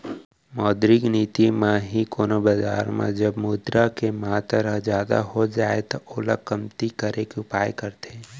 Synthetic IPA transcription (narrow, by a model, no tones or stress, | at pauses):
mɔːd̪ɾɪɡniːt̪imãɦikoːnobad͡ʒa̰ːɾmã̰d͡ʒɐbmuːd̪ɾakemat̪əɾəɦzjaːd̪a̰ɦod͡ʒaːet̪ooːləkɐmt̪ikəɾekeʊpaːjkɐɾt̪e